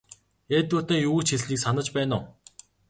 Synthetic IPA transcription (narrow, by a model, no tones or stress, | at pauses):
eːt̪uːt̪ə̆ːŋjuut͡ɕʰxiɮɮiːksanə̆t͡ɕpæːnʊː